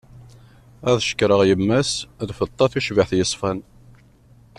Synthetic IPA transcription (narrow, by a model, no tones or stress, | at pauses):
æðʃə̥kːɾˤəʁjəmːæsðfət̪ˤːɑθuʃvaħθjəsˤfæn